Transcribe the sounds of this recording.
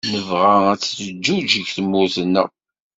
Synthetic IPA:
nəvʁææt͡sːəd͡ʒːud͡ʒəʝθəmːʊɾθənːæ̰

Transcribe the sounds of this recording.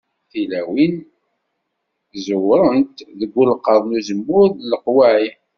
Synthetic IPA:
θilæwin | zəwɾˤənt̪ðəɡʷːulqːəðˤluzəmːʊɾðləqwæʕi

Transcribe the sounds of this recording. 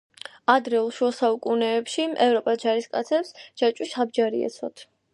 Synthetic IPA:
ad̪ɾɛulˠʃwɛlˠsaukʼunɛːpʃiʔɛvɾɔpʼad͡ʒaɾiskʼat̪sʰɛpsd͡ʒat͡ʃʼusab̚d͡ʒaɾiɛ̰t̪sʰɔ̰t̪ʰ

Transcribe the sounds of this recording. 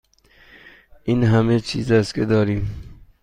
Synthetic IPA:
iːnɦæmet͡ʃʰḭːzæst̪kʲʰed̪ɒːɾiːm

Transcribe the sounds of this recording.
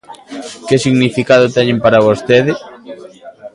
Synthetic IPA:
kesiɣnifikað̞ot̪ɛɲẽmpaɾaβ̞ost̪eðɪ

